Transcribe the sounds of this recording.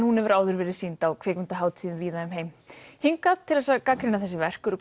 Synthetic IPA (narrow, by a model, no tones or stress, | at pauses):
nhunɛvɪɾaːwðʏɾvɛːɾɪ̥siːnt̪awkʰv̥ɛːkvɪnt̪aɦaːwt̪ʰiːðʏmviːðaðʏmɦeːjmhiŋkat̪ʰːɪlɛsakaːkɾɪnaθɛsːɪvɛr̥kʏɾʏ